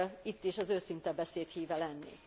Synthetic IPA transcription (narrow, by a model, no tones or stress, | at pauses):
it̪ːiʃɒzøːsint̪ɛbɛseːt̪hiːvɛlɛnːḭ